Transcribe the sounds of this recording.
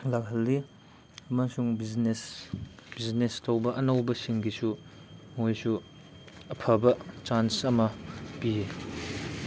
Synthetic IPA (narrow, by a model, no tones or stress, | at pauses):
lakɦɐlːi | ɐmɐsuŋbiznesbiznestʰɐwbɐʔɐnɐwbɐsiŋɡisumojsu | ɐpʰɐbɐt͡ʃansɐmɐpie